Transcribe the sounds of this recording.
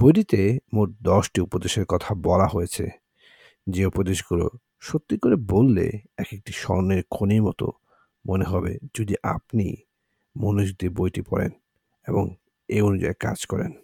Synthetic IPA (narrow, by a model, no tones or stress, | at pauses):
bojʈit̪emoʈ̚d̪ɔʃʈiupod̪eʃeɾkɔt̪ʰabɔlaɦojet͡ɕʰḛ | d͡ʑeupod̪eʃɡulo̰ | ʃot̪ːikoɾebolːḛɛkek̚ʈiʃɔ̰neɾkʰoniɾmɔt̪o̰ | moneɦɔbḛd͡ʑod̪iʔa̰pnḭ | monod͡ʑut̪iɾbojʈipɔɾḛn | eboŋ | eonud͡ʑa̰eka̰d͡ʑkɔɾḛn